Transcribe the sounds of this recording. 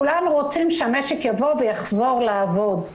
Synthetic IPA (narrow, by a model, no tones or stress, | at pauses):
ulanuʁot͡simʃeameʃekjavo̞vejaχzo̞ʁlaːvod̪